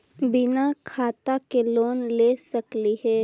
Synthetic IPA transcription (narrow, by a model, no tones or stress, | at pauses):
bɪnakʰaːt̪akeloːnlesɐkliɦɛː